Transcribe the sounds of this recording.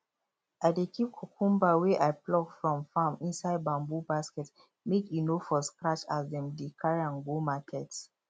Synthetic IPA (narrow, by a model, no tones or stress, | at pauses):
ajdekʰip̚kʰokʰũmbawɛʔajplɔkfɹɔ̃mfãmĩnsaɪd̚bãmbubaskɛt | mekjinofɔskɹat͡ʃasdɛ̃mdikʰaɹãnɡomakʰɛts